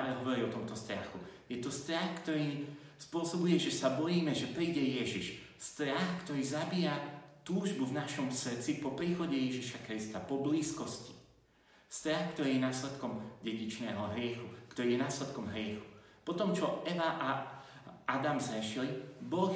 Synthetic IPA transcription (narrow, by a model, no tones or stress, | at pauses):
aʋɛɦɔʋɔɾiɔt̪ɔmt̪ɔst̪ɾa̰xujɛt̪ɔst̪ɾaxkt̪ɔɾiː | spʊɔsɔbujɛʒɛsabɔjiːmɛʒɛpɾiːɟɛjɛʒiʃ | st̪ɾaxkt̪ɔɾiːzabijat̪uːʒbuvnaʃɔmsr̩t͡sipɔpɾiːxɔɟɛjɛʒiʃakɾist̪apɔbliːskɔsci̥ | st̪ɾaxkt̪ɔɾiːjɛnaːslɛt̪kɔmɟɛɟit͡ʃnɛːɦɔɦɾɪɛxukt̪ɔɾiːjɛnaːslɛt̪kɔmɦɾɪɛxu̥ | pɔt̪ɔmt͡ʃɔɛʋaʔa | ad̪amzɦɛʃilibɔx